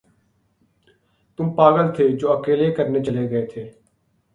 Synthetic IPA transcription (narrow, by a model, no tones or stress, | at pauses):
t̪ʊmpaːɡəlt̪ʰeːd͡ʒoːəkeːlekəɾneːt͡ʃəleɡəet̪ʰeː